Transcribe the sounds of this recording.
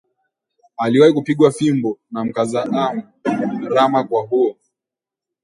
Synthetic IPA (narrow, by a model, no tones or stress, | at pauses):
aliwahikupiɠwafimbɔnam̩kazaʔam | ɾamakwaɦuɔ